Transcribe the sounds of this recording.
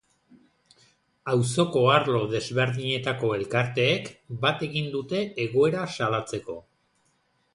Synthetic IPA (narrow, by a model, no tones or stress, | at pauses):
awso̞ko̞aɾlo̞ðe̞zβe̞ɾðiɲe̞t̪ako̞e̞lkaɾt̪e̞ːkbat̪e̞ɣind̪ut̪e̞eɣo̞e̞ɾasalat͡se̞ko̞